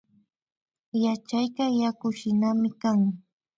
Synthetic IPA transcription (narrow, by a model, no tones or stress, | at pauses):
jat͡ʃajkajakʊʃɪnamɪkaŋ